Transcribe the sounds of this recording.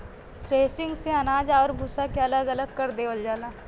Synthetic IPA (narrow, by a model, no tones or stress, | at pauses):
t̪ʰɾeːsɪ̃ŋɡseɐnaːd͡ʒaːɾbʱusakeɐləɡɐləɡ̚kɐɾd̪eːʋəld͡ʒaːlaː